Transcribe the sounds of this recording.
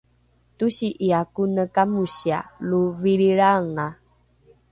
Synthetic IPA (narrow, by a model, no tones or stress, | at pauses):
tuɕiʔiakunəkamuɕia̰luviɾiɾaŋa